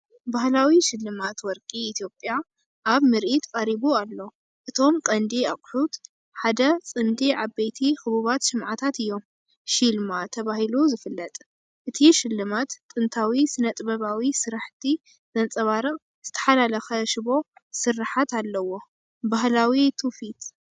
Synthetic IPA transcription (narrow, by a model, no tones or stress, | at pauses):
bahlawiʃɪlːɨmat̪wɔɾkʼiːt̪ʰjo̞pʼja | ʔaβmɨɾʔit̪kʼɐɾiβualːo̞ | ʔɨt̪ʰo̞mkʼɐnd̪iaqʼħut̪ | ħad̪ɐt͡sʼɨnd̪iʕabejt̪ʰixɨβuβat̪sɨmʕat̪ʰat̪ɨjːo̞m | ʃilmat̪ʰɐβahiluzɨfɨlːɐt̪ʼ | ʔɨt̪ʰiʃɪlːɨmat̪ʼːɨnt̪ʰawisɨnɐt̪ʼbɐβawisɨɾaħt̪ʰi | z̥ɐnt͡sʼɐβaɾɨχʼ | z̥ɨt̪ʰɐ̥ħalalɐxɐʃɪβo̞sɨrːaħat̪alːɐwo̞ | bahlawit̪ʰufit̪